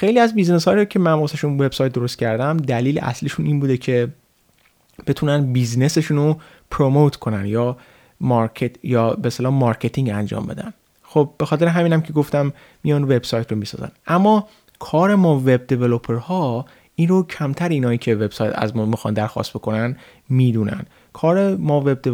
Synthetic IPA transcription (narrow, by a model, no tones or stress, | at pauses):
xe̞jliːæzbizneshɒːjiɾocʰe̞mænmosæʃunbe̞b̥sɒːjt̪̚d̪o̞ɾost̪̚cʲʰæɾd̪æmd̪æliːlḛʔæ̰sliːʃuniːnbuːd̪ecʰe̞ | b̥e̞t̪ʰuːnænd̪bizne̞se̞ʃuːno | pʰɾomot̪ʰkʰo̞nænjɒː | mɒɾkʰet̪jɒːbest̪elɒːmɒɾcʰe̞t̪ʰiŋɟænd͡ʒɒ̰ːmbe̞̰d̪æ̰n | xob̚be̞xɒːt̪e̞ɾeɦæmiːnæmcʰe̞ɡo̞ft̪æmː | ijɒnve̞bsɒːjt̪ʰromisɒ̰ːzæ̰nʔæmːɒː | kʰɒːɾe̞mɒːve̞b̚d̪e̞velopʰeɾhɒː | iːnɾocʰæmt̪ʰæɾiːnɒːjiːcʰe̞ve̞b̥sɒjt̪ʰæ̰zmɔːmixɒ̰nd̪æɾxɒ̰st̪bo̞ko̞næn | miːd̪uːnæ̰nd̪ | kʰɒːɾe̞mɒːve̞b̚d̪e